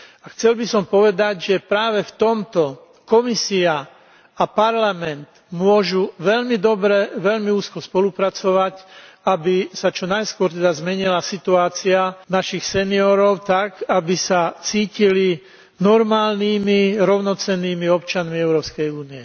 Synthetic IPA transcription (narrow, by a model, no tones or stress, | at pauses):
axt͡sɛlbisɔmpɔʋɛd̪aɟʒɛpɾaːʋɛft̪ɔmt̪ɔ | kɔmisia | apaɾlamɛnd̪ | mʊɔʒuʋɛʎmid̪ɔbɾɛʋɛʎmiuːskɔspɔlupɾat͡sɔʋac | abisat͡ʃɔnajskʊɔɾt̪ɛd̪azmɛɲilasit̪uaːt͡sianaʃixsɛniɔɾɔʊt̪akabisat͡siːcili | nɔɾmaːlniːmiɾɔʊnɔt͡sɛnːiːmiɔpt͡ʃanmiɛʊɾɔːpskɛjuːniɛ